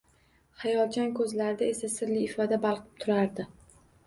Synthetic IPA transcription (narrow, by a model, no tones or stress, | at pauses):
χɑjɒlˠt͡ʃʰankʰɵzlaɾɪd̪ae̞sasɪɾlɪːfɒd̪abɑlˠqʰɨ̥p̚t̪ʰʊɾaɾd̪ɪ